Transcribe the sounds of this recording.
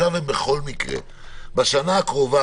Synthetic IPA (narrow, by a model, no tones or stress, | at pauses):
avembeχo̞lmikʁḛ | baʃanaakʁo̞va